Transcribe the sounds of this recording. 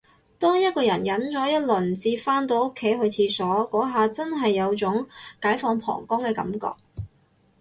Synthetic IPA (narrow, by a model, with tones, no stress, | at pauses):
t̪ɔː˥ŋjɐ˥t̚kɔː˧jɐ˨˩njɐ˨˥nt͡sɔː˨˥jɐ˥t̚lɵ˨˩nt͡siː˧faː˥nt̪o˧wʊ˥kʰːe˨˥jɦɵ˨˧ɥt͡sʰiː˧sɔː˨˥kɔː˨˥ɦaː˨t͡sɐ˥nɦɐ˨jːɐ˨˧wt͡sʊ˨˥ŋkaː˨˥jfɔː˧ŋpʰɔ̰ː˨˩ŋkɔː˥ŋkɛː˧kɐ̰˨˥mkɔ̰ː˧k̚